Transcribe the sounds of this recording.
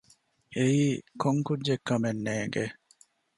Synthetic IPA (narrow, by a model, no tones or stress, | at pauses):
eiːkʰoŋkudːekːɐmenːeːŋɡe